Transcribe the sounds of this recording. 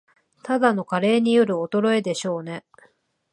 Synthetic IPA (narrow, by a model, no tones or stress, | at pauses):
t̪ad̪ano̞kaɾe̞ːɲ̟ijo̞ɾɯ̟o̞t̪o̞ɾo̞ed̪e̞ɕo̞ːne̞